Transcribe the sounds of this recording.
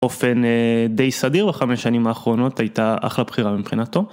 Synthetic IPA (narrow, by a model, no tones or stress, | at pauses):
o̞fe̞ned̪e̞jsadiʁbaχameʃanimaːχʁo̞no̞tajtaʔa̰χlabχiʁamimχinato̞